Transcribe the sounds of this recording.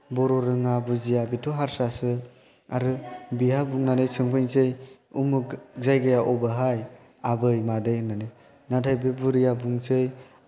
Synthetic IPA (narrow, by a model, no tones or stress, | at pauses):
bɔɾɔɾɯŋabuzijabitʰoɦaɾsasɯ | aɾɯbiɦabuŋnanɯjsɯŋpʰɯjnzej | umukzajɡajaʔɔbaɦaj | abɯjmadɯjɯnanɯj | natʰajbɯbuɾijabuŋzɯj